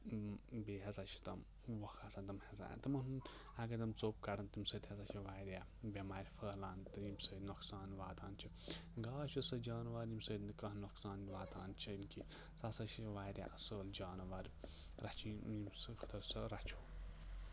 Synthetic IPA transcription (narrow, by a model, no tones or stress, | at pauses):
beːɦezat͡ʃʰi̥t̪ɐm | ʋɐxasɐnd̪ɐmheza̰ːnt̪ɨmɐnɨn | ɐɡɐd̪ɐmt͡soːp̚kɐɽɐnt̪imsɐt̪ʲhezɐt͡ʃʰiʋaːɾʲjaː | bʲemaːɾʲfəːlaːnt̪ɨjimsəːt̪noksaːnʋaːt̪aːnt͡ʃʰiɡaːʃʰisɐd͡ʒaːnʋaːɾʲimsɐd̪nɨkɐɦnoksaːnʋaːt̪aːnt͡ʃʰimki | sasɐt͡ʃʰiʋaːɾʲja̰ːʔɐsəːld͡ʒaːnʋaːɾʲ | ɾɐt͡ʃʰinimsɨxʰɐ̥t̪ʰɐɾsɐɾɐt͡ʃʰuː